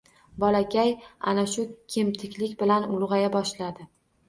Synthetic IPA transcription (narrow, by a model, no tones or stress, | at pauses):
bɒlakʲʰaja̰naʃʊkʲʰemt̪ʰɪkʲlɪkʲbɪlanʊlˠʁɑjabɒʃlad̪ɪ